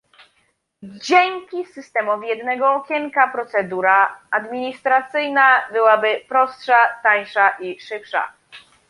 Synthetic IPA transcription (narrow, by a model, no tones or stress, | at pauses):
d͡ʑɛŋʲkʲisɘst̪ɛmɔvʲijɛd̪nɛɡɔːkʲɛŋkapɾɔt̪sɛd̪uɾaad̪mʲiɲist̪ɾat̪sɘjnabɘwabɘpɾɔstʂat̪ajʂaʔiʂɘpʂa̰